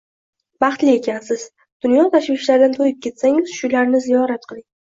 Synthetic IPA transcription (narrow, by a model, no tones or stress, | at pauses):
bɑχt̪lɪe̞kʲʰansɪz̥ | d̪̥ʊnjɒt̪ʰaʃvɪʃlaɾd̪nɪt̪ʰojɪp̚kʲʰe̞t̪saŋɪz̥ʃʊlaɾnɪzijɒɾat̪̚qʰɨlˠɪŋ